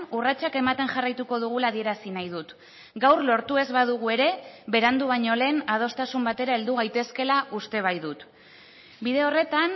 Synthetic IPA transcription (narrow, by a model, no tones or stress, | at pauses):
urat͡ʃake̞mat̪e̞ŋʝarajt̪uko̞ð̞uɣ̞ulað̞ie̞ɾasinajðut̪ | ɡawrlo̞ɾt̪ue̞zβaðuɣ̞ue̞ɾe̞βe̞ɾand̪uβ̞aɲo̞le̞ːnaðo̞st̪asumbat̪e̞ɾae̞ld̪uɣ̞ajt̪e̞ske̞laʔust̪e̞β̞ajðut̪ | biðe̞o̞re̞t̪an